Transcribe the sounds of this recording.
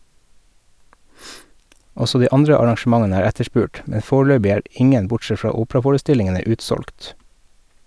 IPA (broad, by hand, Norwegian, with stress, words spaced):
ˈɔsɔ ˈdiː ˈɑndɾə ɑɾɑŋʃm̩ˈɑŋənə ˈæːɾ ˈætəˌʃpʉːʈ ˈmɛ ˈfoːˌɭøːbɪ ˈæːɹ ˈʔɪŋən ˈbʊʈˌsɛt ˈfɹɑː ˈuːpɹɑfoːɹəˌstɪlɪŋənə ˈʉːtˌsɔlkt